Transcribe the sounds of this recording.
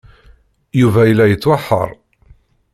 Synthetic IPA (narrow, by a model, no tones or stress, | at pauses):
juvæjəlːæjət͡sːwaħːə̰ɾˤ